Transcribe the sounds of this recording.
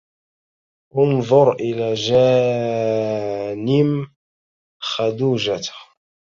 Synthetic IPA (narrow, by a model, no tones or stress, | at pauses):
ʔʊnðˤʊɾˤʔɪlad͡ʒaː | nɪm | xad̪uːʒat̪